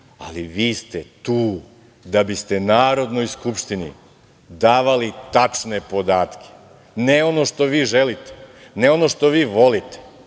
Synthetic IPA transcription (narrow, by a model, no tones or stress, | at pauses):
a̰liʋiːst̪et̪uː | d̪abist̪e̞naːɾo̞d̪no̞jskupʃt̪inḭ | d̪aːʋalit̪at͡ʂne̞po̞d̪aːt̪kʰe̥ | neo̞no̞ʃt̪o̞ʋiːʒelit̪e̥neo̞no̞ʃt̪o̞ʋiːʋo̞lit̪e̥